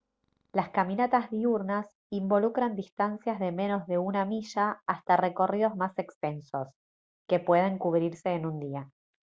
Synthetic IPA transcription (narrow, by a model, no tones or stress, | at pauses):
laskamĩnat̪azðiuɾnas | imbo̞lukɾand̪ist̪ansjazðe̞mẽ̞no̞zðe̞unamiʃaːst̪are̞ko̞riðo̞zmase̞kst̪e̞nso̞s | ke̞pwe̞ð̞e̞ŋkuβɾiɾse̞ːnũnd̪ia